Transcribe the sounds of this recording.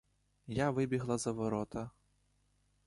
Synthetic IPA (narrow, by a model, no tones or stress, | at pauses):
jaʋɪbʲiɦlˠɐzɐʋɔɾɔt̪ɐ